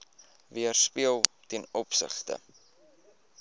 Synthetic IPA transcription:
viərspiəlˠtɛnɔpsə̰χtə̰

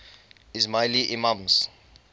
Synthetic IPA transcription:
izmajliʔimãmz

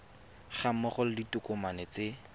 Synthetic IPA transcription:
χam̩mɔχʊl̩ditʊkʊmanɪt͡se

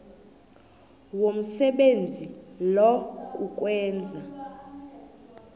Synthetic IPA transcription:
wom̩sɛɓend͡zʱilɔkʼuk̬ʼwɛːnd͡zʱa

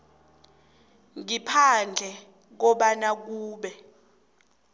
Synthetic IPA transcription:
ŋipʰand͡ɮʱɛ | k̬ɔɓanak̬uːɓɛ

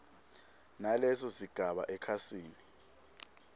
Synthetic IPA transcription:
nalɛsɔsiɡ̥ʱaɓa̰ʔɛkʰasiːni

